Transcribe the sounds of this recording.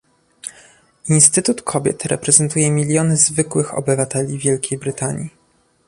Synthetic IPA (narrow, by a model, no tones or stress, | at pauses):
inst̪ɘt̪ut̪kʰɔbʲjɛ̰t̪ɾɛpɾɛzɛnt̪ujɛmʲilʲjɔnɘzvɘkwɘxɔ̰bɘvat̪ɛlʲivʲjɛlkʲejbɾɘt̪aɲi